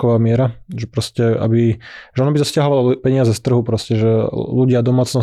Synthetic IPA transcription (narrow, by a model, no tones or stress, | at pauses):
ɔʋaːmɪɛɾaʒɛpɾɔscɛa̰biʒɛɔnɔbit̪ɔscaɦɔʋalɔpɛɲɪazɛst̪r̩ɦupɾɔscɛʒɛluɟɪad̪ɔmaːt͡snɔ